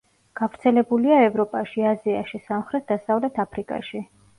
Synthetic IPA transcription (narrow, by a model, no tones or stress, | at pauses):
ɡ̥avɾt̪sʰɛlɛbuliaɛvɾɔpʼaʃiaziaʃisamχɾɛt̪̚d̪asavlɛt̪ʰapʰɾikʼa̰ʃi